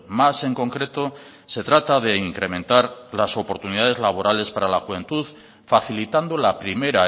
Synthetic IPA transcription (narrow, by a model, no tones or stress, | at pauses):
mase̞ŋko̞ŋkɾe̞t̪o̞ | se̞t̪ɾat̪aðe̞iŋkɾe̞mẽ̞nt̪aɾlaso̞po̞ɾt̪uniðað̞e̞zlaβ̞o̞ɾʔale̞spaɾalaxuβẽ̞nt̪uð | faθilit̪and̪olapɾime̞ɾa